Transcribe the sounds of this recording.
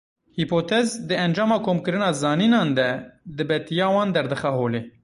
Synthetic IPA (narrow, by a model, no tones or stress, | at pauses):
hipoːt̪ʰɛzd̪ɨɛnd͡ʒɑːmɑːkʰoːmkɨɾɨnɑːzɑːniːnɑːnd̪ɛd̪ɨbɛt̪ijɑːwɑːnd̪ɛɾd̪ɨxɛɦoːleː